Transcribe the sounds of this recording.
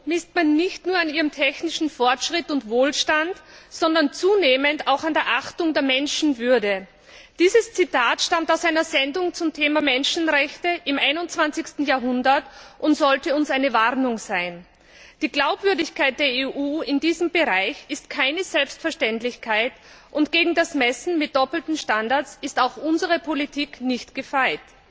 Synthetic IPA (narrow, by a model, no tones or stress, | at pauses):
mɪstmanːɪçtnuːɐaniːʁəmtʰɛçnɪʃn̩fɔɐtʃʁ̥ɪtʊntvoːlʃtantz̥ɔndɐnt͡suːneːməntaʊxandeːɐʔaxtʊŋdeːɐmɛnʃn̩vʏɐdə | d̥iːzəst͡sitʰaːtʃtamtaʊsaɪnɐzɛndʊŋt͡sʊmtʰeːmamɛnʃn̩ʁɛçtəʔɪmʔaɪnʊnt͡sv̥ant͡sɪçstn̩jaːɐɦʊndɐtʔʊntz̥ɔltəʊnsaɪnəvaʁnʊŋz̥aɪn | d̥iːɡlaʊpv̥ʏɐdɪçkʰaɪt̚d̥eːɐeːʔuːɪndiːzəmbəʁaɪçɪstkʰaɪnəzɛlpstfɛɐʃtɛntlɪçkʰaɪt | ʔʊntɡ̥eːɡŋ̩dasmɛsn̩mɪt̚d̥ɔpl̩tn̩ʃtandaɐt͡sɪstaʊxʔʊnzəʁəpʰolitʰiːknɪçtɡ̥əfaɪt